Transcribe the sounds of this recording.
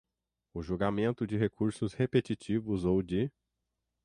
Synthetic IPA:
ʊʒuɡamẽnt̪ʊd͡ʒɪɦekuɾsʊshepet͡ʃit͡ʃivʊzowd͡ʒɪ

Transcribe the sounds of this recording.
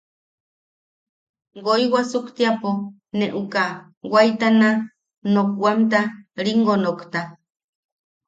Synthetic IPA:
ɡojwasukt̪iapo | neʔuka | wajt̪ana | nok̚wamt̪aɾiŋɡonokt̪a

